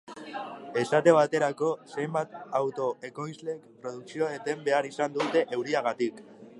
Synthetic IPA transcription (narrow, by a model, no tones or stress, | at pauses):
e̞sat̪e̞β̞at̪e̞ɾako̞se̞jmbat̪awt̪o̞e̞ko̞jzle̞kpɾo̞ð̞uksioet̪e̞mbe̞aɾisand̪ut̪e̞ʔe̞wɾiaɣ̞at̪ik